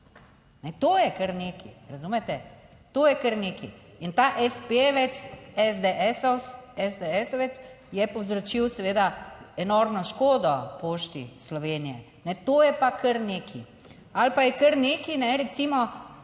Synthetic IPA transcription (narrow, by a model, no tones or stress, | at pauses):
nɛt̪oːjɛkəɾneːkʰḭɾazuːmɛt̪ɛ | t̪oːjɛkəɾneːkḭint̪aːʔɛspeʋɛt̪sɛzd̪eʔɛsɔsɛzd̪eɛsɔʋɛt̪s | jɛpɔwzɾɔt͡ʃiwsɛʋeːd̪aɛnoɾmnɔʃkoːd̪ɔpoːʃt̪ḭslɔʋeːnijɛ | nɛt̪oːjɛpakʰəɾneːkʰḭ | alpajɛkəɾneːkinɛɾɛt̪simɔ